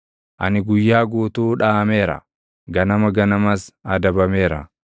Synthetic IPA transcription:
ʔɐ̰nɪɡʊjːaːɡuːt̪uːᶑaːme̞ːɾɐ̰ | ɡɐnɐmɐɡɐnɐmɐsɐd̪ɐbɐme̞ːɾɐ̰

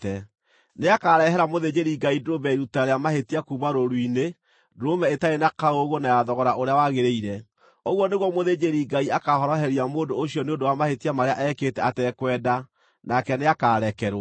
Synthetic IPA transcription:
ɛ | neakaːɾɛɦɛɾamoðed͡ʑeɾiɡaidɾomɛɾutaɾeamahetiakumaɾoɾwine | dɾomɛetaenakaoɣonajaðɔɣɔɾaʔoɾeawaɣeɾeiɾɛ | oɣwɔneɣwɔmoðed͡ʒeɾiɡaiakahɔɾɔɦɛɾiamoːndoːɕjɔneondowamahetiamaɾea̰ʔɛkeːtɛatɛkwɛːda | nakɛneakaɾɛkɛɾ

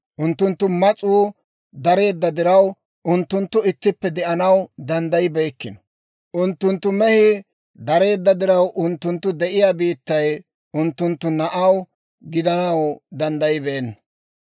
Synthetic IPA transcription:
ʔʊnt̪ːʊnt̪ːʊmɐt͡sʼuː | d̪ɐɾe̞ːd̪ːɐd̪ɪɾɐw | ʔʊnt̪ːʊnt̪ːʊɪt̪ːɪpːɛd̪ɛʔɐnɐwd̪ɐnd̪ɐjɪbeːkːɪnɔ̥ | ʔʊnt̪ːʊnt̪ːʊmɛhɪ | d̪ɐɾe̞ːd̪ːɐd̪ɪɾɐwʔʊnt̪ːʊnt̪ːʊd̪ɛʔɪjaːbiːt̪ːɐj | ʊnt̪ːʊnt̪ːʊnɐʔɐw | ɡɪd̪ɐnɐwd̪ɐnd̪ɐjɪbeːnːɐ

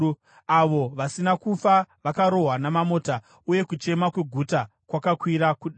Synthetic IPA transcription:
aʋo̞ʋasinakufaʋakaɾo̞ɦwanamamoːta | uje̞kut͡ʃe̞makwe̞ɡʱuta | kwakakwiɾakuɗ

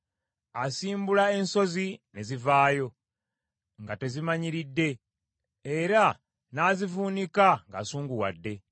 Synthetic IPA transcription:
asiːmbulae̞nso̞zine̞zivaːjo̞ | ŋɡate̞zimaɲiɾidːe̞ː | ɾa | naːzivuːnikaŋɡasuːŋɡuwa̰dːe̞

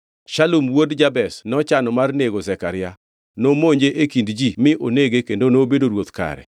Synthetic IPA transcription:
ʃalumwodd͡ʒabɛsnɔt͡ʃanɔmarneɡozɛkaɾɪja | nomoɲd͡ʒeʔekindd͡ʒimɪʔoneɡekendonobedoɾwot̪ka̰ɾɛ̰

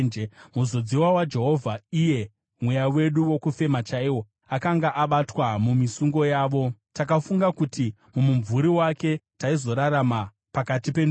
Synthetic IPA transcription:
muzo̞d͡ziwawad͡ʒe̞ɦo̞vʱaije̞ | mwejawe̞ɗuwo̞kufe̞mat͡ʃaiwo | akaŋɡaʔaɓatwamumisuŋɡo̞jaːʋo̞takafuŋɡakuti | mumuɱvuɾiwake̞taizo̞ɾaɾama | pakatipen

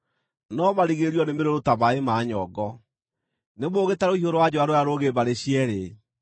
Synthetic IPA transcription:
nɔmaɾiɣeɾiɔnemeɾoɾotaβaemaːɲɔɡɔ | nemoɣetaɾoiɦoɾowad͡ʑɔaɾojaɾoɣebaɾeɕiɛɾe

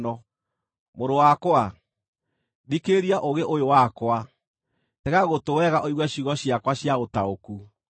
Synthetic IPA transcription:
nɔ | moɾowakwa | dikeɾiaʔoɣeʔojowakwa | tɛɣaɣotowɛɣaʔoiɣwɛɕiɣɔɕjakwaɕjaotaoku

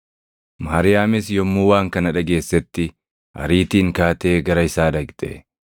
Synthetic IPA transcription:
mɐaɾɪjaːmɪsjɔmːuːwaːŋkɐnɐᶑɐɡe̞ːsːɛt̪ːɪ | hɐ̰ɾiːt̪iːŋkaːt̪eːɡɐɾɐɪsaːd̪ɐɡt̪ʼɛ̰

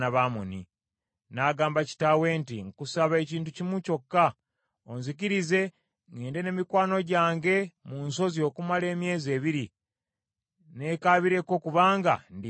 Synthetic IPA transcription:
naβamoni | naɡaːmbaci̥tawe̞ːntiŋkusaβae̞ciːntucimuco̞kːa | onzikiɾize̞ | ŋɡeːnde̞ne̞ːmikwaːno̞ɟaːŋɡe̞munso̞zio̞ːkumale̞ːmje̞ːze̞ːβiɾi | ne̞kaːβiɾe̞ko̞kuβaːŋɡa̰ndi

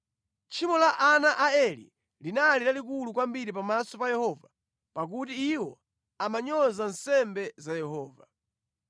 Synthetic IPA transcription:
t͡ʃʰimɔlaʔanaʔaɛlḭ | linalilalik̬ulukwambiɾipamasɔpajɛhɔva | pak̬utiːwɔ | amaɲɔzansɛmbɛzajɛɦɔːva

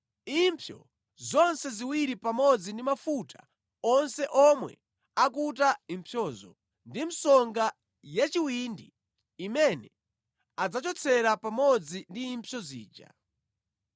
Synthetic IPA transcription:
impʰjɔ̰ | zɔnsɛziwiɾipamɔd͡zindimafuta | ɔnsɛʔɔmwɛ̰ | akut̬aimpʰjɔːzɔ̰ | ndim̩sɔŋɡa | jat͡ʃiwindiː | mɛnɛ | ad͡zat͡ʃɔt͡sʰɛɾapamɔd͡zindiːmpʰjɔzḭːd͡ʒa̰

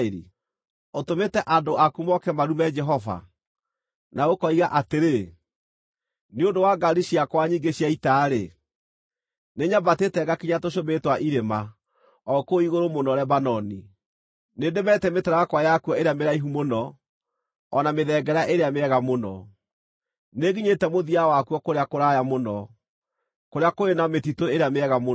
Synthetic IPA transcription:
eɾḭ | otometɛʔandoʔakumɔkɛmaɾumɛd͡ʒɛɦɔva̰ | naɣokɔiɣaʔateɾe | neondowaɡaɾiɕiakwaɲiːɡeɕiaitaɾe | neɲabatetɛɡakiɲatoʃometwaʔiɾema | ɔkoiɣoɾomonɔɾɛbanɔni | nedemɛtɛmetɛɾaakwajakwɔeɾeameɾaiɦumonɔ | nameðɛɡɛɾaʔeɾeameɛɣamonɔ | neɣiɲetɛmoðiawakwɔkoɾeakoɾajamonɔ | koɾeakoenametitoeɾeameɛɣamo

